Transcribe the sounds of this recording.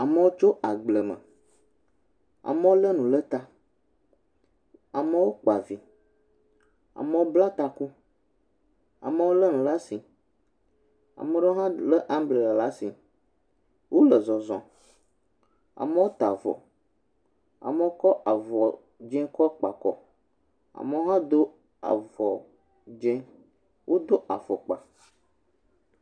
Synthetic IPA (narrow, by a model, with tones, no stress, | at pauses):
a˨mə˨˦wo˦t͡ʃo˦ʔa˨ɡ͡blə˨mə̰̃˨ | a̰˨mə̃˦wo˦lə˦nũ˨lə˦t̪a˦ | a˨mə˦wo˦k͡pa˨vi˨ | a̰˨mə̃˨wo˦bla˦t̪a˨ku˦ | a̰˨mə̃˦wo˦lə˦nũ˨la˦si˨ | a̰˨mə˦ɖo˦ɦã˦lə˦ʔa˦mble˨la˨la˦si˨ | wo˦lə˨zɔ˨zɔ̃˨ | a̰˨mə˦wo˦t̪a˨vɔ̰˨ | a̰˨mə˦wo˦kɔ˦ʔa˨vɔ˨ | d͡ʒɛ̃˦kɔ˦k͡pa˨kɔ˨ | a̰˨mə˦wo˦ɦã˦d̪o˦ | a̰˨vɔ˨ | d͡ʒɛ̃˦ | wʔo˦d̪o˦ʔa̰˨vɔ˨k͡pa̰˨